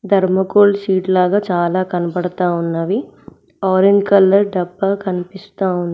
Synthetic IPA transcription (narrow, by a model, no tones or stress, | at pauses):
d̪ʱɐɾmɐkoːlsiːʈlaːɡaːt͡ʃaːlaːkɐnɐpɐɽɐt̪aːunːɐʋi | aːɾeɲd͡ʒkɐlːɐɾɖɐbːɐkɐnipist̪aːunːɐ